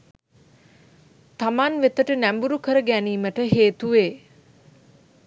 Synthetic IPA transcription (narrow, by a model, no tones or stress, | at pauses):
t̪amanʋet̪əʈənæmbuɾukəɾəɡæniːməʈəɦeːt̪uʋeː